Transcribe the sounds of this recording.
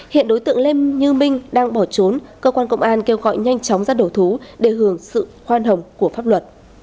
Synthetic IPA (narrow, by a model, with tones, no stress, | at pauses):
hḭ˧˨ənɗo˨˦jt̪ɨ̰˧˨əŋle˧ɲɨ˧mï˧ŋ̟ɗaː˧ŋɓɔ˧˩t͡ɕo˨˦nkəː˧kwaː˧nkə˧wŋ͡mʔaː˧nke˧wɣɔ̰˧˨jɲa˧jŋt͡ɕɔ˨˦wŋ͡mzaː˧ɗo˧˩t̪ʰu˨˦ɗe˧˩ɦɨ˨˧˩əŋsɨ̰˧˨xwaː˧nɦə˨˩wŋ͡mku˧˩əfaː˦˥p̚lwə˨˩t̚